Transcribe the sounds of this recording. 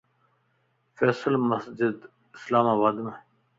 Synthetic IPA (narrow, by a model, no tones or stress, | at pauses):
fɛːsəlmɐsd͡ʑɪd̪ | ɪslaːmaːβaːd̪me